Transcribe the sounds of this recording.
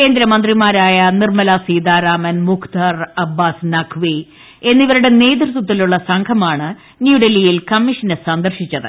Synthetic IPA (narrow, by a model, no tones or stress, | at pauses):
ke̞ːnd̪ɾɐmɐnd̪rimaːɾaːjɐnirmɐlasiːd̪aːɾaːmɐnmukʰt̪aːrɐbːaːsnɐkʰʋi | e̞nːiʋɐɾuɽe̞ne̞ːd̪ɾut̪wɐt̪̬ːiluɭːɐsɐŋɡʰʱɐmaːɳɨ | njuːɖelijilkɐmːiʂɐnɨsɐnd̪ɐrʂit͡ɕːɐðɨ